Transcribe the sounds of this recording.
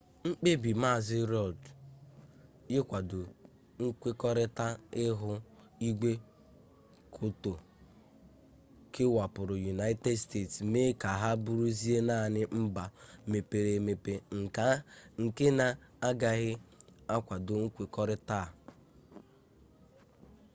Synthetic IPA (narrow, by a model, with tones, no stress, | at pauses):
ŋ͡m̩˦k͡pe˦bi˨ma˦˨zɪ˦ɾɔ˨d | jɪ˦kʷa˨dʊ˨ | ŋ̩˦kʷe˦kɔ˦ɾɪ˦ta˦ɪ˦ɦʊ˦ | i˦ɡʷe˦ | kʰʊ˦to˨ | kʰɪ˦wa˨pʊ˨ɾʊ˨ju˨na˦ɪ˦te˦dste˦˨tsme˦ka˨ɦa˦bu˦ɾu˦zi˦e˦na˦˨nɪ˦m̩˦ba˨me˨pe˨ɾe˨me˨pe˨ŋ̩˨ka˨ŋ̩˨ke˦na˨a˦ɡa˨ɣɪ˦a˦kʷa˨dʊ˨ŋ̩˦kʷe˨kɔ˦ɾɪ˦ta˦˨